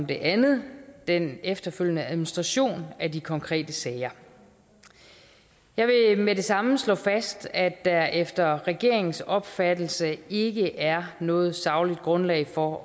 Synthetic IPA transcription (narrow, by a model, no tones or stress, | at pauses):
md̥e̝ʔænð̩ˠd̥enefd̥ɐføljənəæðˠminisd̥ʁɑ̈ɕo̝̰ːnæd̥ikʰɒ̽ŋkʰʁɛ̰ːd̥əsɛːɪɐ | jɑ̈ɪʋe̝meɾe̝sɑ̈məslɔ̰̽ːfæsd̥æ̥æʔefd̥ɐʁɛɡ̥e̝ɐ̰e̝ŋn̩sɒ̽b̥fæd̥l̩səe̝ɡ̥əʔæɐnɔ̽ːð̞̩ˠsɑ̈ʊlid̥̚ɡ̥ʁɔ̽nlɛ̰ɪfɒ̽